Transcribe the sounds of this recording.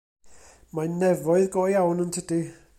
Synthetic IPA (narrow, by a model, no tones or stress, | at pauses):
maɪnːɛʋɔɨðɡ̥ɔ̰ːiawnəntʰɪld̥e